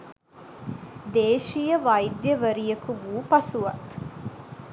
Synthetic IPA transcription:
d̪eːʃijəʋɐjd̪jəʋɐɾijɐkuʋuːpɐsuʋɐ̰t̪

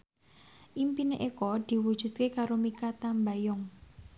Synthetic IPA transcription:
ʔimpineʔekɔd̪̥i̤wud̥ʒ̥ṳt̪̚kekaɾomikat̪ambajɔŋ

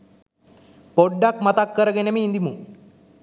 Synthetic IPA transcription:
poɖːakmat̪akːəɾəɡenemeːnd̪imu

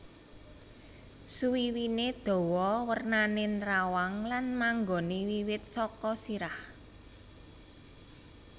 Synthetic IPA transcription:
suwiwined̪̥o̤wɔwərnanenɾawaŋlanmaŋɡɔniwiwɪt̪̚sɔkɔsiɾah

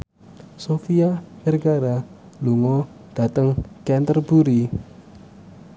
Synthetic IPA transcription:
sofiamərɡaɾa | luŋɔ | d̥a̤t̪əŋkɛnt̪ərb̥uɾi

